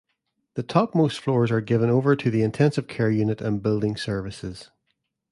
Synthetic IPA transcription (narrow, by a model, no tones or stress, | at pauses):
ðətʰɔp̚mostflˠɔɹzə˞ɡɪvə̃novə˞tʰəðiɪ̃ntʰɛ̃nsɪv̥kʰɛɹjʉnɪʔə̃nbɪlˠdɪ̃ŋsɜ˞vɪsɪz̥